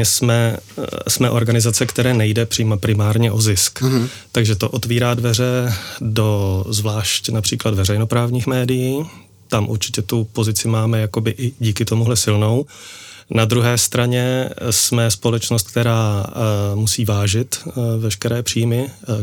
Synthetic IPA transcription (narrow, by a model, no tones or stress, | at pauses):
ɪsmɛ | smɛʔo̞ɾɡanɪzat͡sɛkt̪ɛɾɛːnɛjdɛpr̥ɪpɾɪmaːɾɲɛʔo̞zɪsk | t̪aɡʒɛt̪o̞ʔo̞t̪viːɾaːdvɛr̝ɛdo̞zvlaːʃcnapr̝̥iːkladvɛrɛjno̞pɾaːvɲiːxmɛːdɪjiː | t̪amʔṵɾt͡ʃɪcɛt̪upo̞zɪt͡sɪmaːmɛjako̞bɪʔɪɟiːkɪt̪o̞muɦlɛsɪlno̞w | nad̪ɾuɦɛːst̪ɾaɲɛsmɛspo̞lɛt͡ʃnost̪̚k̚t̪ɛɾaː | musiːvaːʒɪt̪vɛʃkɛɾɛːpr̝̥iːjmɪ